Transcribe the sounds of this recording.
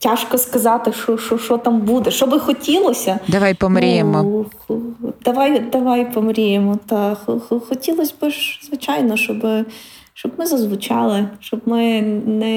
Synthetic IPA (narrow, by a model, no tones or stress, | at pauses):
tʲaʃkɔskɐzɑt̪ɪʃt͡ʃɔʃt͡ʃɔʃɔt̪ɑmbud̪ɛʃɔbɪxɔtʲilˠɔsʲɐd̪ɐʋajpɔmɾʲijemɔ | d̪ɐʋɑjd̪ɐʋɑjpɔmɾʲijemɔt̪ɐxɔxɔxɔtʲilˠɔsʲbɪʒzʋɪt͡ʃɑjnɔʃt͡ʃɔbɪ | ʃt͡ʃɔbmɪzɐzʋʊt͡ʃɑlˠɪʃt͡ʃɔbmɪnɛ